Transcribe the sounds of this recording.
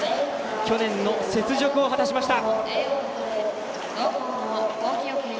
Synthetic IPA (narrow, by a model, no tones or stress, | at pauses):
kʲo̞nẽ̞nːo̞se̞t͡sɨʑo̞kɯ̟o̞ɦat̪aɕimaɕi̥t̪a